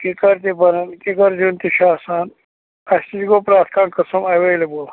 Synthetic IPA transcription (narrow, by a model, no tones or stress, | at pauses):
kikɐɾt̪ibɐnɐnkikɐɾd͡ʒunt̪iʃaːsaːn | ɐɕt̪id͡ʒɡoːpɾaːt̪ʰkaːnkɐsɐmɐweːlɐbul